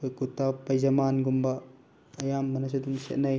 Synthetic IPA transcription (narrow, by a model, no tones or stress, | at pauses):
ɯkut̪ːapɐjzɐmanɡumbɐː | jamːɐnɐs̬ɐdumsḛt̚nɐj